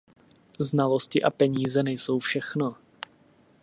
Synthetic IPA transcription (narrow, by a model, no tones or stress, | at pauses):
znalo̞scɪʔapɛɲiːzɛnɛjso̞wfʃɛxno